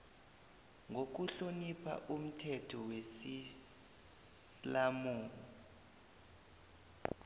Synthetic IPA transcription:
ŋok̬uɬonipʰa̰ʔum̩tʰɛtʰɔwesi | lamuːŋɔ

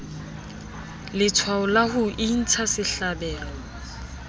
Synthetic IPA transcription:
lɪt͡sʰwaʊlahʊʔin̩t͡sʰasɪɬabɛːlɔ

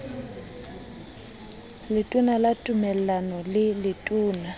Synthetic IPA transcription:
lɪtʼʊnalatʼʊmɛl̩anɔlɪlɪtʼuːna

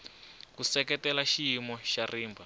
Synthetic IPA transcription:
kusɛkɛtɛlaʃijimɔʃariːmbʱa

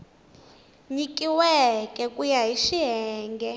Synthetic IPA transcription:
ɲikʼiwɛkʼɛkʼujaɦiʃiɦɛːŋɡɛ

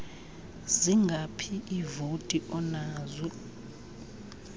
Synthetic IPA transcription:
ziŋɡʱapʰiʔivotʼiʔɔnaːzɛ

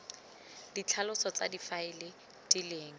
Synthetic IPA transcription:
dit͡ɬʰalʊsɔt͡sa̰difaɪlɪ | tʼileːŋ̩

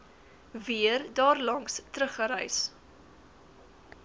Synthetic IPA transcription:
viərdɑːrlɐŋstɾəχəɾɛjs

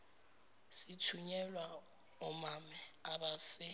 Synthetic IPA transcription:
sitʰuɲɛlwa | ɔmamɛaɓasɪ

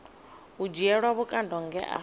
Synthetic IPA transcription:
ud͡ʒiɛɺwaβukʼandɔŋɡɛ̰ʔa̰

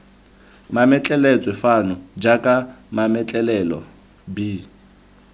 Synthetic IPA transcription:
mamɛt͡ɬʼɛlɛt͡sʼwɛfanʊd͡ʒakʼamamɛt͡ɬʼɛlɛlɔ̰ | bi

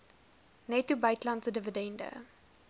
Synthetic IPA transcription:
nɛtubɐjtlantsədəvədɛndə̰

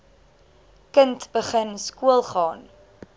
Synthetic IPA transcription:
kəntbəχənskuəlˠχɑːn

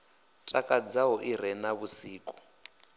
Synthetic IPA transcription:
tʼakʼad͡zaɔʔiɾɛnaβusiːkʼɔ̥

